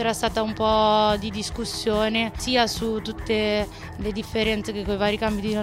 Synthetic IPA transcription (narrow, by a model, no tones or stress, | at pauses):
ɛːɾast̪aːt̪aumpɔd̪id̪iskusːjoːnesiːasut̪ːut̪ːe | led̪ifːeɾɛnt̪sekekːoivaːɾikambid̪ino